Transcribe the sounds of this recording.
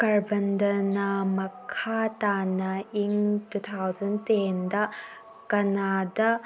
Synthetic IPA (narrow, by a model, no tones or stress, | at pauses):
kɐɹbɐndɐnɐmɐkʰatanɐʔiŋtut̪ʰawzɐntendɐ | kɐnadɐ